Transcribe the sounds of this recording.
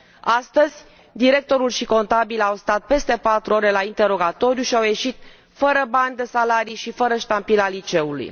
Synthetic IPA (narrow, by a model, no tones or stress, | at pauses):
ast̪əzʲ | d̪iɾe̞k̚t̪o̞ɾulʃiko̞nt̪abilawst̪at̪̚pe̞st̪e̞pat̪ɾuo̞ɾe̞laint̪e̞ɾo̞ɡat̪o̞ɾjuʃiawje̞ʃit̪ | fəɾəbanʲd̪e̞salaɾiʃifəɾəʃt̪ampilalit͡ʃe̞ulṵj